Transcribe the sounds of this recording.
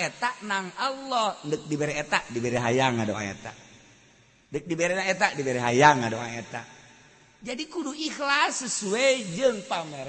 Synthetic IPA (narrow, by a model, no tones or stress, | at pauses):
et̪aʔnaŋalːɔhndək̚dibeɾɛet̪aʔdibeɾɛɦajaŋado̰ʔa̰ḛt̪a̰ʔ | ndək̚dibeɾɛnaet̪aʔdibeɾɛɦajaŋadoa̰et̪a̰ʔ | d͡ʒadikuduixlasːəsued͡ʒɨŋpamɛɾ